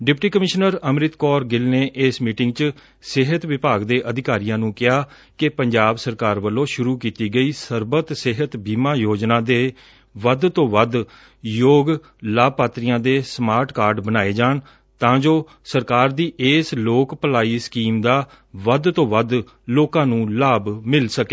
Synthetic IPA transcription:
ɖɪpʈiːkəmɪʃnəɾəmɾɪt̪kɔːɾɡɪlneːʔɪːsmiːʈɪ̃ŋɡ̚t͡ʃə | sɪɦət̪ʋɪpaːɡd̪eːʔəd̪ɪkaːɾijãːnũːkɪɦaː | kepəɲd͡ʒaːbsəɾkaːɾʋəlːõːʃʊɾuːkiːt̪iːɡəiːsəɾbət̪sɪɦət̪biːmãːjoːd͡ʒnãːd̪eː | ʋəd̪t̪õːʋəd̪ | joːɡ | laːbpaːt̪ɾijãːd̪eːsmaːɾʈkaːɾɖbənaːeːd͡ʒaːɳ | t̪ãːd͡ʒoː | səɾkaːɾd̪iːʔeːsloːkpəlaːiːskiːmd̪aː | ʋəd̪t̪õːʋəd̪ | loːkãːnũːlaːbmɪlsəkeː

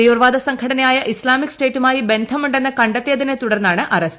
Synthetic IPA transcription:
iːʋrʋaːd̪ɐsɐŋɡkʰɐɽɐnɐjaːjɐʔislaːmikːsʈe̞ːtːumaːjibe̞nd̪ʱɐmuɳɖenːɐkɐɳɖɐt̪ːejɐðinet̪uɽɐrnːaːɳɨʔʔɐrɐs

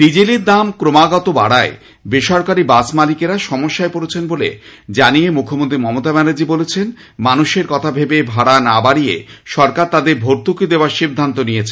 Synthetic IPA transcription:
d̪id͡ʑiliɾd̪amkɾomaɡɔt̪oba̰ɽae | beʃɔɾkaɾibat͡ɕmalikeɾaʃɔmoʃːaepoɾet͡ɕʰenbolḛd͡ʑanijemukʰomont̪̬ɾimɔmot̪abɛnad͡ʑibolet͡ɕʰen | manuʃeɾkɔt̪ʰabʱebebʱaɽanabaɽiḛʃɔɾkaɾt̪ad̪eɾbʱoɾt̪ukid̪eoaɾʃib̚d̪ʱant̪onijet͡ɕʰe

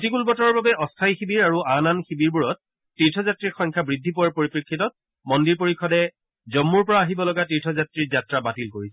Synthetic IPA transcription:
ktikulbɔtɔɹɔɹbabɛʔɔstʰajxibiɹaɹuananxibiɹbuɹɔt̚ː | itʰɔzatɹiɹxɔŋkʰabɹidʱːipuwaɹpoɹipɹikʰːitɔt̚ | mɔndiɹpoɹikʰːɔdɛ | zɔmːuɹpɔɹaːɦibɔlɔɡatiɹtʰɔzatɹizatɹabatilkoɹisɛ

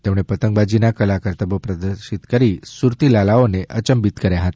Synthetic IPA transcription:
t̪emɽ̃epət̪əŋkbad͡ʑinakəlakəɾt̪əbopɾəd̪əɾɕit̪kəɾisuɾt̪ilalaoneʔət͡ɕəmbit̪kəɾjaɦat̪ḁ

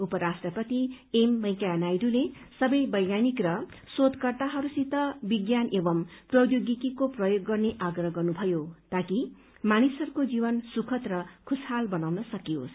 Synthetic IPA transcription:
upʌɾasʈrʌpʌt̪iemːʌjkanajɾulesʌbʌjbʌjɡanikrʌ | sod̪kʌrt̪aɦʌɾusit̪ʌbiɡjanebʌmprʌjoɡikikoprʌjoɡːʌrneʔaɡrʌɦʌɡʌrnubʱʌjot̪aki | manisʌɾukod͡zibʌnsukʰʌt̪rʌkʰushalbʌnawnʌsʌkio̰s

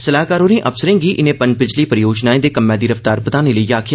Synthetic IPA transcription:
səlaːkaːɾoːɾẽːʔəfsəɾẽːɡiːʔɪnẽːpəɲd͡ʒbɪd͡ʒliːpəɾəjoːd͡ʒnaːẽːd̪eːkəmːɛ̃ːd̪iːɾəft̪aːɾpət̪aːneːləiːaːkʰɪja

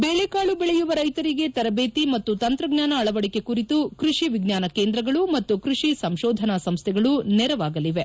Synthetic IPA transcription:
beːɭekaːɭubɛɭejuʋɐɾɐjt̪ɐɾiɡe̞t̪ɐɾɐbeːt̪imɐt̪ːut̪ɐnt̪ɾɐɡnaːnɐːɭɐʋɐɽike̞kuɾit̪ukɾuʃiʋiɡnaːnɐkeːnd̪ɾɐɡɐɭumɐt̪ːukɾuʂisɐmʃɔːd̪ʱɐnɐsɐmst̪ʰɛɡɐɭunɛɾɐʋaːɡɐliʋe̞

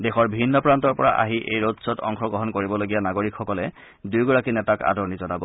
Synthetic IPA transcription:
dexɔɹbʱinːɔpɹantɔɹpɔɹa̰ʔa̰ɦiʔḛjɹotsɔtɔ̰ŋxɔɡɹɔɦɔnkoɹibɔloɡijanaɡoɹikxɔkɔlɛ | dujɡɔɹakinɛtaka̰dɔɹnizɔnabɔ

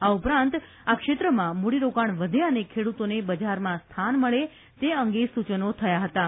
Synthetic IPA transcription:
aupɾãnt̪ | akʃet̪ɾəmãmoɽiɾokaɳʋəd̪ʱeənekʰeɽut̪onebəd͡ʒaɾmãst̪ʰanməɭe | t̪eəŋɡesut͡ʃənot̪ʰəjaɦət̪a

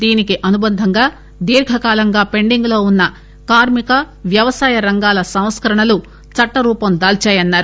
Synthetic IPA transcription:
d̪iːnikiʔɐnubɐnd̪ʱɐŋɡaː | d̪iːɾɡʱɐkaːlɐŋɡaːpe̞ɳɖiŋɡlo̞ːunːɐ | kaːɾmikɐ | ʋjɐʋɐsaːjɐɾɐŋɡaːlɐsɐw̃skɐɾɐɳɐlu | t͡ʃɐʈːɐɾuːpɐmd̪aːlt͡ʃaːjɐnːaːɾu

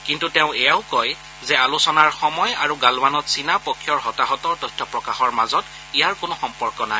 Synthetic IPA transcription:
kintutɛʊ̃ɛjaʊkɔj | zɛalusɔnaɹxɔmɔjaɹuɡalwanɔtsinapɔkʰːjɔɹɦɔtaɦɔtɔɹtɔjtʰɔpɹɔkaxɔɹmazɔt | ijaɹkʊnɔxɔmpɔɹkɔnaj

